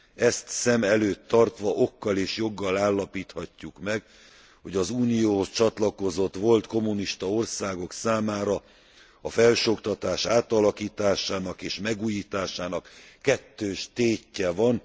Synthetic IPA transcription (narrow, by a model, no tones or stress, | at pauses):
ɛst̪sɛmɛløːt̪ːɒrt̪ʋɒʔo̞kːɒleːʃjo̞ɡːɒlaːlːɒpiːt̪hɒcːukmɛɡ | ho̞ɟɒzuːnijoːho̞st͡ʃɒt̪lɒko̞zo̞t̪ʋo̞lt̪ko̞muniʃt̪ɒo̞rsaːɡo̞ksaːmaːɾɒ | ɒfɛlʃo̞kt̪ɒt̪aːʃaːt̪ɒlɒkiːt̪aːʃaːnɒkeːʃmɛɡuːjiːt̪aːʃaːnɒkːɛt̪ːøːʃt̪eːcːɛvɒn